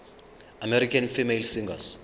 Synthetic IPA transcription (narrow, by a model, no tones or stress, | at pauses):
amɛɾikʰanfimelsiŋɡa̰s